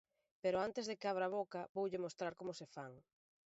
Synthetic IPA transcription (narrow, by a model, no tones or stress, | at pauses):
peɾoant̪ezðekeaβ̞ɾaβokɐbowʎɪmost̪ɾaɾkomʊsefaŋ